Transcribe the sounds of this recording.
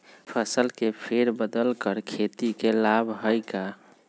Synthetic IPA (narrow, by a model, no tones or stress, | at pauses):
pʰəsəlkepʰeɾbəd̪əlkəɾkʰet̪ikelabʱɦəjka